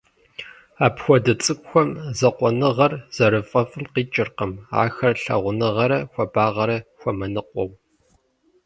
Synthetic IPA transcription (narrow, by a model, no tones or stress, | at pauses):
aːpxʷɔdɐt͡sʼɨkʷʼxʷɔmzɐqʷɔnɨʁɐrz̥ɐɾɨfʼɐfʼɨlqiːt͡ʃʼɪrqɐma̰ːxɐrɬɐ̰ʁʷʊnɨʁɐɾɐxʷɔbaːʁɐɾɐxʷɔmɐnɨqʷʼɔw